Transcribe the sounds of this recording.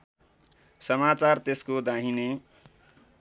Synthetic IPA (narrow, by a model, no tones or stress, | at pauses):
sʌmat͡sart̪eskod̪ãɦine